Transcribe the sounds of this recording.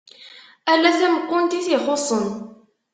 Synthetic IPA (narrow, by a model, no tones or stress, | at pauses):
ælːæθæməkːʊnt̪iθiχosˤən